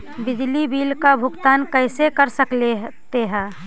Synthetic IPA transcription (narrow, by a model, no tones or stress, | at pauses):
bɪd͡ʒlibiːlkabʱʊɡt̪aːnkəɪsekəɾsəklet̪eɦɛ̃ː